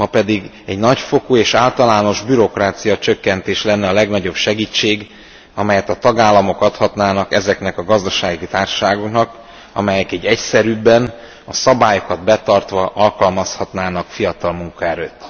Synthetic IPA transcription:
mɒpɛd̪iɡ | ɛɟnɒcfo̞kueːʃaːlt̪ɒlaːno̞ʒbyɾo̞kraːt̪sijɒt͡ʃø̞kːɛnt̪eːʃlɛnːɛɒlɛɡnɒɟo̞bʃɛɡiːt͡ʃːeːɡ | ɒmɛjɛt̪ɒt̪ɒɡaːlːɒmo̞kɒt̪hɒt̪naːnɒkɛzɛknɛkɒɡɒzd̪ɒʃaːɡit̪aːrʃaːɡo̞knɒk | ɒ̰mɛjɛkɛɟːɛcsɛɾybːɛn | ɒsɒbaːjo̞kɒd̪bɛt̪ɒrt̪ʋɒʔɒlkɒlmɒshɒt̪naːnɒkfijɒt̪ɒlmuŋkɒɛɾøːt̪ː

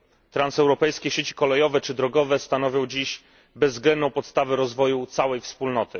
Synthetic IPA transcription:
t̪ɾansɛwɾɔpɛjskʲɛɕet͡ɕi̥kɔlɛjɔvɛt͡ʂɘd̪ɾɔɡɔvɛst̪anɔvʲjɔ̃w̃d͡ʑiɕ | bɛzːɡlɛnd̪nɔ̃w̃pɔt̪st̪avɛɾɔzvɔjut̪sawɛjfspulnɔt̪ɘ

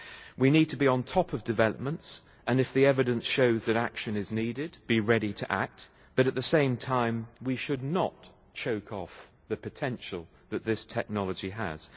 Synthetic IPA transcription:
winid̚tʰəbiə̃ntʰɒpʌvdɨvɛlˠəp̚mə̃nts | ɨ̃nɨfðiɛvɨɾɨ̃nsʃoʊzðɨɾækʃɨ̃nɨzniɾɪd̚b̥iɹɛɾitʰɨʔæ̰k̚t̚ | b̥ʌɾɨt̪̚ðɨsẽɪ̃mtʰãɪ̃mwiʃɨdⁿnət | t͡ʃʰoʊkʰɔf | ðɨpʰɨtʰɛ̃nʃlˠ | ðɨt̪̚ðɪstʰɛk̚nɑlˠəd͡ʒiə̰z̥

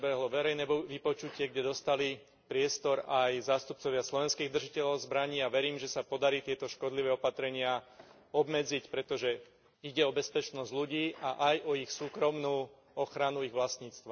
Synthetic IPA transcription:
bɛɦlɔʋɛɾɛjnɛʋipɔt͡ʃucɪɛɡɟɛd̪ɔst̪ali | pɾɪɛst̪ɔɾajzaːst̪up̚t͡sɔʋɪaslɔʋɛnskiːɣd̪r̩ʒicɛʎɔʊzbɾaɲiːaʋɛɾiːmʒɛsapɔd̪aɾiːt̪ɪɛt̪ɔʃkɔd̪liʋɛːɔpat̪ɾɛɲɪa | ɔbmɛd͡zicpɾɛt̪ɔʒɛ | iɟɛɔbɛspɛt͡ʃnɔzɟʎuɟiːʔaʔajɔixsuːkɾɔmnuː | ɔxɾanuiɣʋlast̪ɲiːt͡st̪ʋa

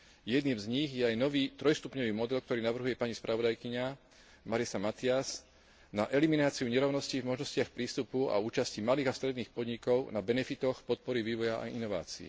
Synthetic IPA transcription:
jɛd̪niːmzɲiɣjɛajnɔʋiːt̪ɾɔjst̪upɲɔʋiːmɔd̪ɛlk̚t̪ɔɾiːnaʋr̩ɦujɛpaɲispɾʔaʋɔd̪ajkiɲa | maɾisamat̪ias | naʔɛliminaːt͡siuɲɛɾɔʊnɔscivmɔʒnɔscɪaxpɾiːst̪upua̰uːt͡ʃascimaliːɣast̪ɾɛd̪niːxpɔd̪ɲikɔʊnabɛnɛfit̪ɔxpɔt̪̚pɔɾiʋiːʋɔjaʔa̰inɔʋa̰ːt͡siḭ

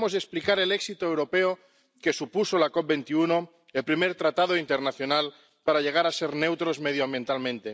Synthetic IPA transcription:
mozðeksplikaɾeleksit̪oewɾo̞peo | ke̞supuso̞lakop̚be̞nt̪iuno̞ | elpɾime̞ɾt̪ɾat̪að̞oint̪eɾnaθjo̞nal | paɾaʎe̞ɣ̞aɾase̞ɾne̞wt̪ɾo̞zme̞ð̞joambje̞nt̪almẽnt̪e

